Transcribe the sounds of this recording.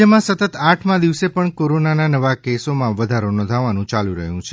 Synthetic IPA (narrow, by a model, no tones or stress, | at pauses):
əmãsət̪ət̪aʈʰmãd̪iʋsepəɳkoɾonananəʋakesomãʋəd̪ʱaɾonɔ̃nd̪ʱaʋanũt͡ʃalũɾəɦjũt͡ʃʰe